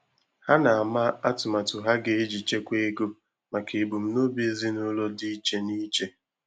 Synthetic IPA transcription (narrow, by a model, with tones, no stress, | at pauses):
ha˦na˨a˨ma˦a˦tʊ˨ma˨tʊ˨ɦa˦ɡe˦e˦d͡ʒi˨t͡ʃe˦kʷe˦ɡo˦ | ma˨ke˨e˨bu˨m̩˦no˦bi˦e˦zi˦nʊ˦lɔ˦di˦i˦t͡ʃe˦ni˦t͡ʃe˦